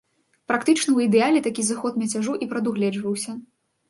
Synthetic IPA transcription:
pɾakt̪ɨt͡ʂnɐwid̪ɛalʲɛt̪akʲizaxɔt̪mʲɐt͡sʲaʐuʔipɾɐd̪uɣlʲɛd͡ʐvɐwsʲɐ

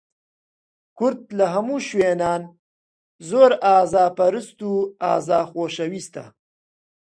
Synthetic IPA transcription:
kuɾt̪̚laɦɐmuʃwenɑːn | zoːɾɑːzɑːpɐɾəst̪uɑ̰ːzɑːxoːʃɐwist̪a̰

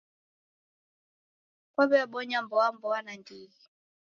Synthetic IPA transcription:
kɔɓɛaɓɔɲambɔambɔanandii

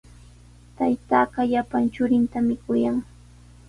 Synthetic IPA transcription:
t̪ajt̪aːɢɑʎapant͡ʃʊɾɪnt̪amɪkʊjaŋ

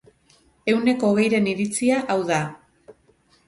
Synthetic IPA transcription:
e̞wne̞ko̞ːɣ̞e̞jɾe̞niɾit͡siaʔawða

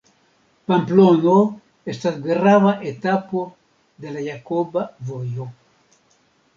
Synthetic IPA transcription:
pamplono | est̪at̪ɡeraβaʔet̪apo | d̪elajakobavojo

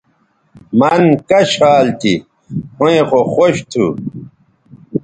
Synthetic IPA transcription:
mɐnkɐɕaːlt̪ʰi | hõẽxoxoɕt̪ʰṵ

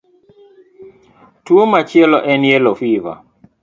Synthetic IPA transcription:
tuomat͡ʃjɛlɔʔɛnjɛlɔfiva̰

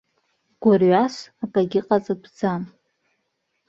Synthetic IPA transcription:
ɡ̥ʷarɥasapʼaɡʲɪqʼat͡sʼadd͡zam

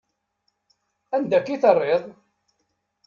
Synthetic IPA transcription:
ænd̪ækːiθərˤːeðˤ

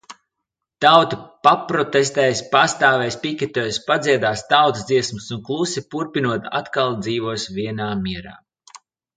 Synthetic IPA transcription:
t̪awt̪ipapɾɔt̪es̬t̪ɛːjspast̪aːvɛjspikʲɛt̪ɔːjspad̪ziɛd̪aːst̪awt̪zd̪ziɛsmɨsunklˠusipuɾpinuɔt̪a̰t̪kalˠd̪ziːvuɔsvʲiɛnaːmiɛɾa̰ː

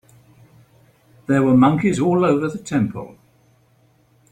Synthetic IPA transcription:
ðəwəmʌ̃ŋkɪzɔːləʊvəðətʰɛ̃mpʰə̰lˠ

